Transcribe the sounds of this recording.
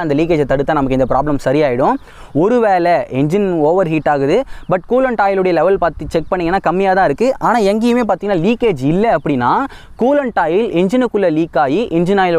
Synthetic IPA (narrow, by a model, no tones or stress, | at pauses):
ɐnd̪ɐliːk̬eːd͡ʒɛt̪ːɐɽɯt̪ːaːnɐmɐkːɯɪnd̪ɐpɾa̰ːblɐmsɐɾɪjaːjɪɽʊ̃ | ɔɾɯʋeːlɛʔɛɲd͡ʒɪnoːʋɐɾɦiːʈːaːɣɯðɯbɐʈ̚kuːlɐɳʈaːjɪlɯɽɐjɐlɛʋɐlpaːɾt̪it͡ʃɛk̚pɐɳːɪŋɡɐnːaːkɐmːɪjaːt̪ãːɪɾɯkːɯʔaːnaːɛŋɡɪjɯmeːp̬aːɾt̪iŋɐnːaːliːkeːd͡ʒɪlːɐɐpːɐɽɪnːaː | kuːlɐɳʈaːjɪlɛɲd͡ʒɪnɯkːɯlːɐliːkːaːjiʔɛnd͡ʒɪnaːjɪl